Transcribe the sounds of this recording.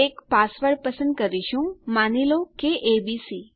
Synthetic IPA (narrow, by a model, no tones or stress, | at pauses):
ekpasʋəɽpəsə̃nd̪̚kəɾiʃũmanilokeʔebisi